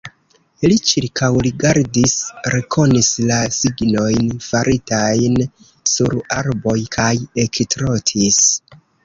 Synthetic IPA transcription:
lit͡ʃiɾkʰawliɡaɾdisɾe̞kʰo̞nislasiɡno̞jnfaɾʔitajn | suɾaɾbo̞jkʰaje̞ktɾo̞tʰis

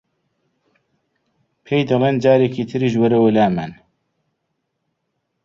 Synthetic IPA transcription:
pʰejd̪ɐleːnd͡ʒaːɾekiːt̪ʰɨɾiːʒwɐɾɐwɐlaːman

